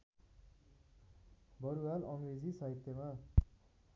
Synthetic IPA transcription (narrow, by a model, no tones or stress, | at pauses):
bʌɾuwalʌŋɾed͡zisaɦit̪jʌma